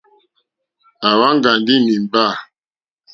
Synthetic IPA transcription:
a˨wa˦ŋ˦ɡa˨ndi˦mi˨m˨ba˦˨

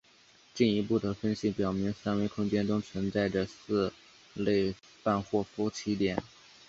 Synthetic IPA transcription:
t͡ɕi˥˩ni˧˥pu˥˩d̪ə˩fə˥nɕi˧˥pjɑ˨˩ʊmi˧˥ŋsa˥nwe˧˥ɪkʰʊ˥ŋt͡ɕjɛ˥nʈ͡ʂʊ˥ŋt͡sʰwə˧˥nt͡sa˥˩ɪʈ͡ʂə˩sɹ̩˥˧ | le˥˧ɪ | fa˥˧nxwɔ˥˩fɔ˥t͡ɕʰi˥t̪jɛ˨˩˦n

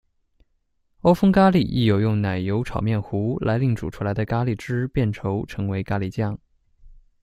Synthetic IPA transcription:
o˥ʊfɤ˥ŋka˥li˨˩ʔḭ˥˩jo˨˩ʊjʊ˥˩ŋna˨˩ɪjo˧˥ʊʈ͡ʂʰɑ̰˨˩ʊmjɛ˥˩nxu˧˥lʔa˧˥ɪli˥˩ŋʈ͡ʂṵ˨˩ʈ͡ʂʰu˥la˧˥ɪd̪ə˧ka˥li˨˩ʈ͡ʂɻ̩˥pjɛ˥˩nʈ͡ʂʰo˧˥ʊʈ͡ʂʰɤ˧˥ŋwe˧˥ɪka˥li˨˩t͡ɕjɑ˥˩ŋ

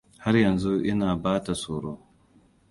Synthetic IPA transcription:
ha˦ɾjɐ˨nzu˦ʔɪ˦naː˨baː˦ta˨soː˨ɽoː˦

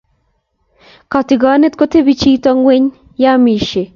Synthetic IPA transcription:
ka˨tɪ˨ɡa˨˦ne˦t̪̚ko˦te˦bi˦t͡ʃi˦tɔ˦ŋwe˦ɲ | ja˦mi˨ʃe˨

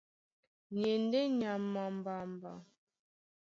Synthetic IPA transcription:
ɲe˨n˦de˦ɲa˨mːa˨m˨ba˨m˨ba̰˨

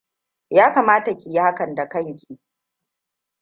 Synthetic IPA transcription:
jaː˦kaː˨maː˦ta˨kʲʼɪ˨ja˦ha˦kɐ˨nda˨kɐ˦ŋkʲiː˨

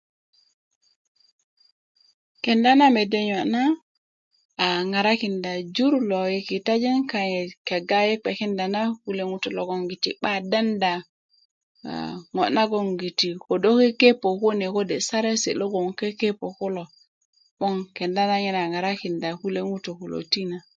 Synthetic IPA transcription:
ke˨nda˦na˦me˨de˦ɲo˨ʔna˦˨ | ŋa˨ɾa˦ki˨nda˨d͡ʒu˦ɾlo˨je˨ki˨ta˦d͡ʒe˦ŋka˨ɲe˨ke˨ɡa˦je˦k͡pe˨ki˦nda˨na˦ku˦le˦ŋu˦tu˨lo˨ɡo˨ŋɡi˨ti˨ɓa˦da˦nda˨ | ŋo˨ʔna˦ɡo˦˨ŋɡi˨ti˨ko˨do˦ke˦ke˦po˨ko˦ne˨ko˦de˨sa˦ɾe˦sḛ˨lo˦ɡo˨ŋke˦ke˦po˨ku˦lo˨ | ɓo˦ŋke˨nda˦na˦ɲe˦na˨ŋa˨ɾa˦ki˨nda˨ku˦le˦ŋu˦to˨ku˨lo̰˨ti˦na˨

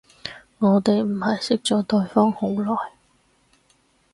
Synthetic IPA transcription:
ŋɔː˨˧t̪e˨jm̩˨˩hɐ˨jsɪ˥k̚t͡ʃɔː˨t̪ɵ˧ɥfɔː˥ŋhʊ˨˧˥wlɔː˨j

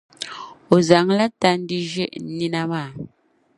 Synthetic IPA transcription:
o˨za˨˦ŋla˦ta˦n˦di˦ʒḛ˦ʔni˦na˦maː˦˨

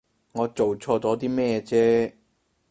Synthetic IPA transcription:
ŋɔː˨˧t͡so˨wt͡sʰɔː˧t͡sɔː˨˥t̪̬iː˥mɛː˥t͡sɛː˥

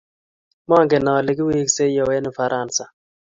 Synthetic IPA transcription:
maː˦˨ŋɡe˨na˨wa˨le˨ɡi˦wi˦kse˦ja˨we˦nu˨fa˨ɾʔaː˨nsa˨

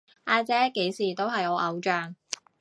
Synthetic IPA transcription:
ʔaː˧t͡sɛː˥ke˨˥jsiː˨˩t̪o˥whɐ˨jɔː˨˧˥ʔɐ˨˧wt͡ʃœː˨˩ŋ

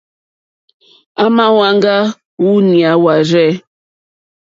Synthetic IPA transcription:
a˦ma˦wa˦ŋɡa˦ | u˦ni˨a˨˦wa˨ɾɛ˦˨

